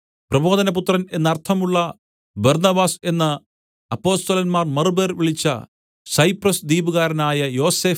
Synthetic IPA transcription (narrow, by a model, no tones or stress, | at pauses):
prɐbo̞ːd̪ɐnɐput̪rɐne̞nːɐrt̪ʰɐmuɭːɐ | bɐrnɐbaːse̞nːɐ | ɐpːo̞ːst̪ɐlɐnmaːrmɐrɨbeːrʋiɭit͡ɕːɐ̰ | sɐjprɐsd̪iːbuɣaːɾɐnaːjɐjo̞ːseː